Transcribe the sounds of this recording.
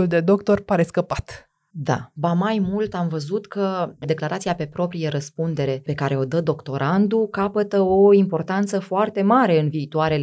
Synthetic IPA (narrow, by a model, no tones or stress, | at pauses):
uld̪e̞d̪o̞kt̪o̞rpaɾe̞skəpat̪ | d̪a̰bamajmult̪amvəzut̪kəd̪e̞klaɾʔat̪siape̞pɾo̞pɾijeɾəspund̪e̞ɾe̞pe̞kaɾe̞o̞d̪əd̪o̞kt̪o̞ɾand̪ukapət̪əo̞impo̞rt̪ant̪səfoart̪e̞maɾe̞ɨnviːt̪uaɾe̞l